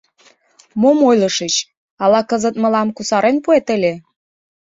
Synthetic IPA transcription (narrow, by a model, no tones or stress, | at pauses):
momojlɤ̆ʃət͡ɕ | ɑlɑkəzə̆t̪̚mə̆lɑmkusɑɾenpuet̪ə̆lʲe